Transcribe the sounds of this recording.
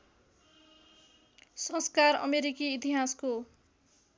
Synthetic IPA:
sʌ̃skarʌ̰meɾikiːt̪iɦasko

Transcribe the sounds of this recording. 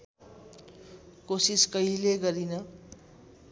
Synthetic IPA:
kosiskʌileɡʌɾinʌ

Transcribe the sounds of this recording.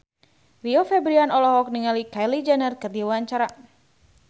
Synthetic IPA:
riɔfɛbɾianɔlɔɦɔk̚niŋalikajlid͡ʒanərkəd̪iawaɲt͡ʃaɾa

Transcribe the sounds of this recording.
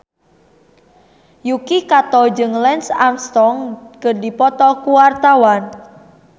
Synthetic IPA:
jukikat̪ɔd͡ʒɨŋlɛnsamst̪ɔŋkərdipɔt̪ɔkuwart̪awan

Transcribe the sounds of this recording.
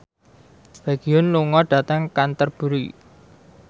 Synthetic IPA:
feɡ̥iʊnluŋɔɖ̥ä̤t̪əŋkant̪ərb̥ṳɾi

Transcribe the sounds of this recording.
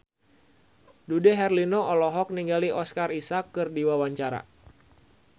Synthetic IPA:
dudɛɦɛrlinoɔlɔɦɔk̚niŋɡaliʔɔskarisakːɨrdiwawaɲt͡ʃaɾa̰

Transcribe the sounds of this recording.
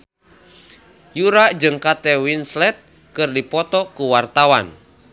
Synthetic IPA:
juɾad͡ʒɨŋkat̪ɛwinslɛt̪̚ | kɨrdipɔt̪ɔkuwart̪awan

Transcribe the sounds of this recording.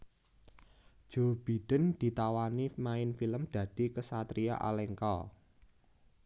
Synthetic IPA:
d͡ʒ̥o̤b̥i̤d̥ə̤nd̪̥i̤t̪awanimaɪnfiləmd̥ä̤d̥i̤kəsat̪ɾia̰ʔa̰lɛŋkɔ̰

